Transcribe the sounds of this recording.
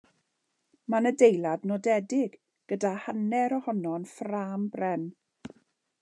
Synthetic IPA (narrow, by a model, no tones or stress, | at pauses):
manədejlˠadnɔdɛdɪɡ | ɡ̥ədahanɛɾɔhɔnɔnfraːmbrɛn